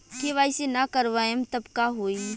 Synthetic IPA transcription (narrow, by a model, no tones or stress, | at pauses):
kiʋaːɪsenakəɾʋaːemt̪ɐbkaɦoːi